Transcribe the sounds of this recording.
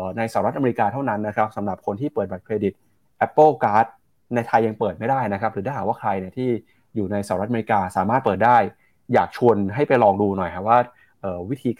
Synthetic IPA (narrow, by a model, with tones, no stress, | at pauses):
na˧jsa˧˨˩ɾa˦˥t̪̚ʔa˧me˧i˧kaː˧t̪ʰa˥˩wna˦˥nːa˦˥kʰɾa˦˥p̚sa˩˦mɾa˨˩p̚kʰo˧nt̪ʰiː˥˩pəɤː˨˩t̪̚baː˨˩p̚kʰɾeː˧di˨˩t̪̚ | ʔɛ˦˥pːɤː˥˩kaː˦˥t̪̚ | na˧jt̪ʰa˧jːa˧ŋpɤː˨˩t̪̚ma˥˩jdaː˥˩jna˦kʰa˦˥p̚ɾɯː˩˦a˥˩ɦaː˨˩waː˥˩kʰɾa˧jni˥˩ɐt̪ʰiː˥˩ | juː˨˩na˧jsaː˧˨˩ɾt̪ʔme˧i˧˥kaː˧saː˨˦maː˥˩t̪̚pɤː˨˩t̪̚daː˥˩jː | aː˨˩k̚t͡ɕʰu˧ənɦa˥˩jpa˧jlɔː˧ŋduː˧nɔ˨˩jkʰa˧˥waː˥˩ | ʔɤː˨˩wi˦˥t̪ʰiː˧k